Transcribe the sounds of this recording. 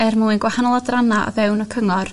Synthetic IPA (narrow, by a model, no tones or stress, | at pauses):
ɛrmuɪnɡwahanɔlˠadranaʔɔ̰ðɛwnɔkʰəŋɔr